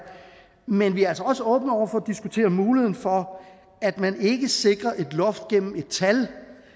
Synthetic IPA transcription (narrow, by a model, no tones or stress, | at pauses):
menʋiæælsɐɒ̽səɔ̽ːb̥n̩ɒ̰ɐfɒ̽d̥isɡ̥ut͡sʰe̝̰ːɐmuːlihe̝ð̰ˠn̩fɒ̽ | æd̥mæne̝ɡ̥əse̝ɡ̥ʁɐʔe̝d̥lɔ̽fd̥̚ɡ̥en̰m̩e̝d̥̚t͡sʰæl